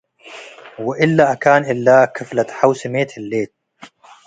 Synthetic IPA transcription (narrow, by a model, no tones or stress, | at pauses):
wɪʔɪlːaʔakaːnʔɪlːaːkɪflat̪ħawsɪmeːt̪ɪlːeːt̪̚